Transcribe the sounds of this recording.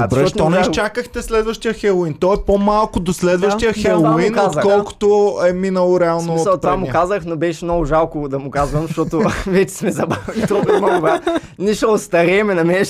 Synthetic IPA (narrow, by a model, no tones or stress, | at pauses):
ɔt̪ɔnɛʃt͡ʃakəxt̪ɛslɛd̪vɐʃt̪ijəxɛlˠoint̪ɔɛpomalˠkʊd̪oslɛd̪vɐʃt̪ijəxɛlˠoinot̪kɔlˠko̥t̪ʊɛminɐlˠʊɾɛalˠnoiɐt̪pɾvaamʊɛkazəxnobɛʃɛmnɔɡʊʒalˠkʊd̪ɐmʊkazvɐmzɐʃt̪ɔt̪ʊvɛt͡ʃɛ̥smɛzɐbavɛlʲit̪ɔbɛnɡʊbɾa | niʃɛot̪st̪ɐɾɛmɛnɐmɛʃ